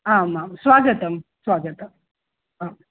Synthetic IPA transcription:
ɦãmãmsʋaɡət̪əmsʋaɡət̪ə | ɦam

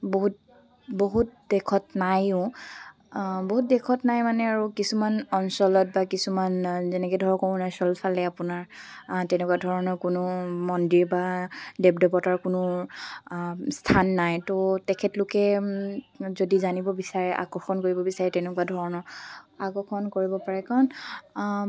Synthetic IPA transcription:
boɦut̚ | boɦut̚dɛkʰɔtnajʊ̃ | boɦut̚dɛkʰɔtnajmanɛaɹukisumanɔnsɔlɔt̚bakisumanzɛnɛkɛdʱɔɹɔkɔũnajsɔlpʰalɛapʊnaɹtɛnɛkuwadʱɔɹɔnɔɹkʊnʊmɔndiɹbadɛp̚dɔpɔtaɹkʊnʊ | stʰanːajtotɛkʰɛtlʊkɛ | zodizanibɔbisaɹɛʔa̰kɔɹxɔnkoɹibɔbisaɹɛtɛnɛkuadʱɔɹɔnɔɹakɔxɔnkoɹibɔpaɹɛkaɹɔn

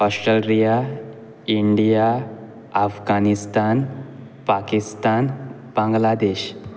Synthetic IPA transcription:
ɔsʈɾəlɾija | iɳɖija | afɡanist̪an | pakist̪an | b̥ãŋɡlad̪eɕ

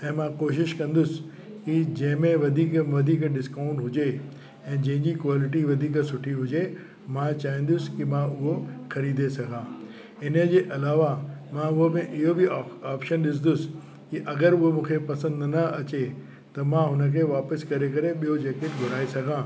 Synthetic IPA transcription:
ɛ̃ːmãkoːʃɪʃkɐ̃nd̪ʊsɪ̥ | kid͡ʑɐ̃ɦɪ̃mẽʋɐd̪ʱiːkʋɐd̪ʱiːkɖɪskaːʊ̃ɳʈɦʊd͡ʑe | ɛ̃ːd͡ʑɐ̃ɦɪ̃ɲd͡ʑikʋaːlɪʈ̬iʋɐd̪ʱiːksʊʈʰiɦʊd͡ʑe | mãt͡ɕaːĩːn̆d̪ʊskimãʊɦoxɐɾiːd̪ʱesɐɡʱãː | ɪnəd͡ʑeːʔɐlaːʋamãʊɦomẽʔɪɦobɪaːpʃənɗɪs̬nd̪ʊsɪ̥ | kiʔɐɡəɾʊɦomũːkʰepɐsə̃nd̪nɐɐt͡ɕe | t̪ɐmãɦʊnə̆kʰeːʋaːpəskɐɾekɐɾeɓijod͡ʑeːkeːʈɡʱʊɾaːisɐɡʱãː

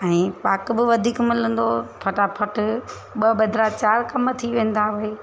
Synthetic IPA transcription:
ɛ̃ːpaːkbɪʋɐd̪ʱiːkmɪlə̃nd̪opʰɐʈapʰɐʈ | ɓɐbɐd̪ʱɾat͡ɕaːɾkɐmt̪ʰiʋẽːn̆d̪aɦʊɦeː

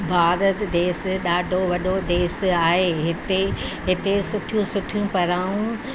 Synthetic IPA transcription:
bʱaːɾət̪d̪eːsɗaːɖʱoʋɐɗod̪eːsaːɦeɦɪt̪eɦɪt̪esʊʈʰijũsʊʈʰijũpɐɾaːũ

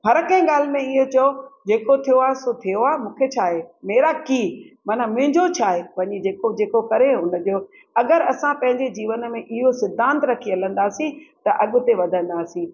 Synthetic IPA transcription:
ɦɐɾkɐ̃ɪ̃ɠaːl̤ɪ̆mẽɪɦot͡ɕɐod͡ʑeːkot̪ʰijoaːɦesot̪ʰijoaːemũːkʰet͡ɕʰaːɦemeːɾakiːmɐnə̆mʊ̃ɦɪ̃ɲd͡ʑot͡ɕʰaːɦeʋɐɲid͡ʑeːkod͡ʑeːkokɐɾeɦʊnəd͡ʑoː | ɐɡəɾɐsãpɐ̃ɦɪ̃ɲd͡ʑed͡ʑiːʋən̆mẽʔɪɦosɪd̪ʱːãːnt̪ɾɐkʰiɐl̤ə̃n̆d̪aːsĩt̪ɐʔɐɠʊ̆t̪eʋɐd̪ʱə̃nd̪aːsĩ

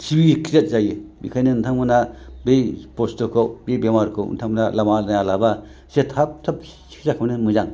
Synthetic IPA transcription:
tʰibikʰizet̚zajibḭkʰajnɯntʰaŋmɯnabejpostɔkʰowbejbemaɾkʰɯwntʰaŋbnalamanajalaba | setʰap̚tʰɯp̚ | si̥kʰzakʰawnɯnmɯzaŋ

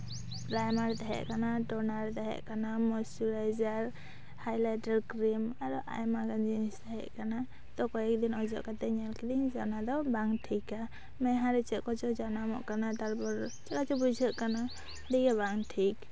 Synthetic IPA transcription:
pɾajmaɾt̪ɛɦɛ̰ʔkanaʈɔnaɾt̪ɛɦɛ̰ʔkanamɔsuɾajd͡ʒaɾ | hajlaʈaɾkɾimaɾuʔa̰jmaɡand͡ʒinist̪aɦɛ̰ʔkana | t̪ɔkɔɛk̚d̪inɔd͡ʒɔ̰ʔkat̪ɛɲalkɛd̪iɲd͡ʒanad̪ɔbaŋʈʰika | mɛɦaɾɛt͡ʃɛʔkɔt͡ʃɔd͡ʒanamɔ̰ʔkanat̪aɾpɔɾt͡ʃɛkat͡ʃɔbud͡ʒʱəʔkana | d̪ɛɡɛbaŋʈʰik

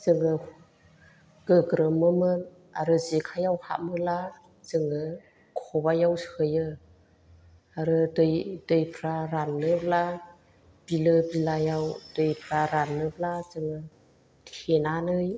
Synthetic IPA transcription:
zɯŋɯ | ɡ̥ɯɡɾɯmɯmɯn | a̰ɾɯzikʰajawha̰ʔmɯla | zɯŋɯ | kʰɔbajawsɯjɯ | aɾɯdɯjdɯjpʰɾaɾanːɯbla | b̥ilɯbilajawdɯjpʰɾaɾanːɯblazɯŋɯ | tʰenanɯj

